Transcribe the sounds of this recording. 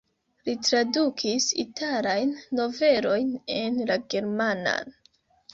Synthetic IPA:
litɾadukʰisḭtalajnːo̞ve̞ɾo̞jne̞nlaɡe̞ɾmana̰n

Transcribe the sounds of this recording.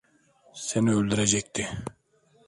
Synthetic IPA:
seniølʲd̪yɾɛd͡ʒɛc̚ʲt̪ʰɪ

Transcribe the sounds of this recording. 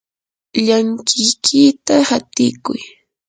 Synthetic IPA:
ʎaŋkɪjkʰɪt̪ahat̪ɪkʊ̰j

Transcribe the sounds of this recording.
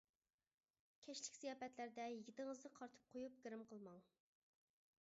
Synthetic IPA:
kʲʰɛt͡ʃlɪkʲsijɑːpɛt̪læɾd̪ɛjiɡʲit̪ɪŋəznɨqʰɑɾt̪ʰɨ̥p̚qʰojup̚ɡʲiɾɪmqʰəlˠmɑŋ

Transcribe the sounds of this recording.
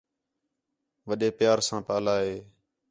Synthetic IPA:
ʋəɗeːpɪjaːɾsãːpaːlaːɦeː

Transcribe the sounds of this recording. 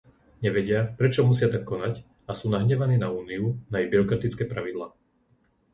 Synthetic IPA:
ɲɛʋɛɟɪapɾɛt͡ʃɔmusɪat̪akːɔnac | asuːnaɦɲɛʋaniːnauːniunajɛbiɾɔkɾat̪it͡skɛːpɾaʋid̪laː

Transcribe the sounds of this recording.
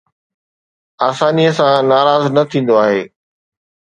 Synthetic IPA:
aːsaːniəsãnaːɾaːznɐt̪ʰĩːn̆d̪oaːɦeː

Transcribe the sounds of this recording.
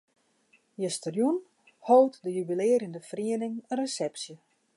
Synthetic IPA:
jəstərjun | hoːtdəjybilɪːəɾəndəfriənɪŋəresɛpsjə

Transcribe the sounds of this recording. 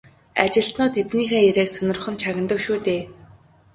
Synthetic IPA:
a̰t͡ɕɪ̆ɬt̪nʊːt̪it̪niːxeːjæɾeːksɵnɪ̆rχə̆nt͡ɕʰaɣʲɪ̆nt̪ə̆kʃuːt̪eː

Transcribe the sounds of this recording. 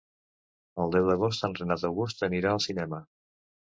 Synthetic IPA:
əlˠd̪ɛwd̪əɣ̞os̬t̪anrenat̪əwɣust̪əniɾaəlˠsinɛmə

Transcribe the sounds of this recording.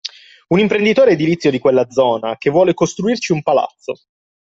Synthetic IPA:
unimpɾend̪it̪oːɾeːd̪ilit̪sːjod̪ikwelːad̪zɔːnakevːwɔːlekost̪ɾuirt͡ʃiumpala̰t̪sːo

